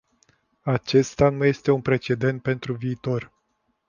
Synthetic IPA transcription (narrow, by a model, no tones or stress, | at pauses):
at͡ʃe̞st̪anuje̞st̪e̞unpɾe̞t͡ʃe̞d̪e̞nt̪̚pe̞nt̪ɾuviːt̪o̞r